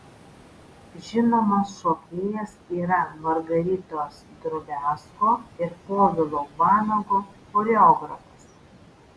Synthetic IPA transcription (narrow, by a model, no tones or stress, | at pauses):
ʒʲɪnoːmɐsʃoːpʲeːjɛsiːɾɐmɐɾɡɐɾʲɪt̪oːsd̪ɾʊbʲæːskoːɪɾpoːd̪ʲɪlˠoːbɑːnoɡo | kʊɾʲɛɔːɡɾɐfɐs